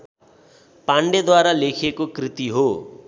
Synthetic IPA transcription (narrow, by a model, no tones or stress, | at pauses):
paɳɖed̪waɾalekʰekokrit̪iɦo